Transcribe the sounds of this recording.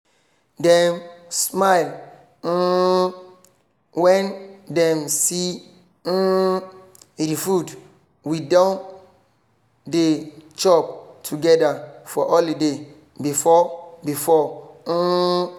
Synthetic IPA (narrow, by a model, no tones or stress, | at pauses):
dɛ̃msmaɪl | wɛ̃ndɛ̃msi | ɾifud | widɔ̃n | det͡ʃɔp̚tʰuɡɛdafɔʔɔlide | bifɔbifɔ